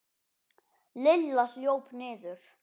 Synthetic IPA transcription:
lɪlːasljowpnɪːðʏɾ̥

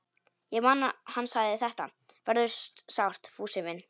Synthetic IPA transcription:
jɛɣmaːnahanːsaɣðɪθɛht̪a̰vɛɾðʏ̥st̪sawr̥t̪fuːsɪmɪn

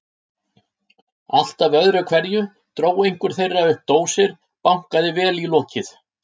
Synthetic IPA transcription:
al̥t̪avœðɾʏkʰvɛɾjʏ | t̪ɾoːwejŋ̥kʏɾ̥θejrːaʏhp̚t̪oːwsɪɾ̥ | pawŋ̥kaðɪvɛːlilɔːcɪθ

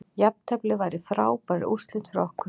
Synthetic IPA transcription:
japt̪ʰɛplɪvajɾɪfɾaːwpaɾɪ̰ʔust̪lɪt̪fɾɔhkʏ

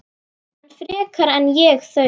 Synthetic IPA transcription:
hanfɾɛːkʰaɾɛnjɛɣθœ

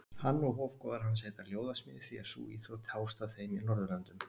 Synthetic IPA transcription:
hanːɔɣɦoːvkɔðaɾ̥hanseːt̪aɾljoːwðasmɪðɪfiasṵːiθot̪ʰaːwst̪aθejminɔɾðʏlant̪ʏm

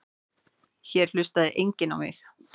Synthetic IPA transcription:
çɛɾ̥l̥ʏst̪aðɪʔejɲcɪna̰wmɪ̰x

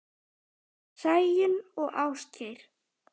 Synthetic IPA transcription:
sajjɪnɔɣʔaːwsc̪ʰejɾ̥

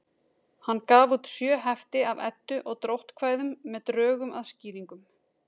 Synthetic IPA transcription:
hanːkaːvut̪sjœːɦɛft̪ɪavɛ̰t̪ːʏʔɔɣt̪ɾowht̪kʰv̥aːjðʏmːɛðt̪ɾœːɣʏmaðsciːɾiŋkʏm

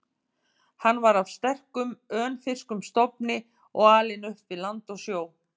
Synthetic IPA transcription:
hanːvaɾavst̪ɛr̥kʏmœːnfɪr̥skʏmst̪ɔpnɪ | ɔɣaːlɪnʏhpvɪlant̪ɔɣsjoːw

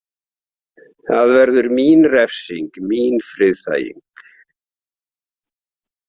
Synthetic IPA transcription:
θaðvɛɾðʏɾmiːnrɛfsiŋkmiːnfɾɪðθa̰ːjḭŋk

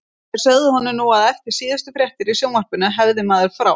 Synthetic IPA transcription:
ɛ̥sœɣðɪhɔnʏnuaðɛfc̪ɪɾ̥siːðɪst̪ʏfɾjɛht̪ɪɾisjoːwmar̥pʏnaɦɛvðɪmaːðɪɾ̥fɾa̰w

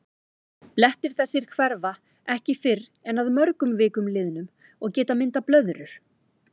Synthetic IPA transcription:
plɛht̪ɪɾ̥θɛsːɪɾ̥kʰvɛɾða | ɛhcɪfɪɾ | ɛnaðmœɾkʏmvɪːkʏmlɪːðɪnʏm | ɔɣcɛːt̪amɪnt̪aplœðɾʏɾ̥

